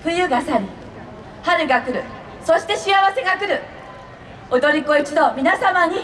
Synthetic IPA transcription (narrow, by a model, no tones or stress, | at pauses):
ɸɯ̟jɯɡasaɾʲi | haɾɯ̟ɡakɯ̟ɾɯ̟ | so̞ɕi̥t̪e̞ɕiaβase̞ɡakɯ̟ɾɯ̟ | od̪o̞ɾʲiko̞it͡ɕid̪o̞mʲinasamaɲ̟i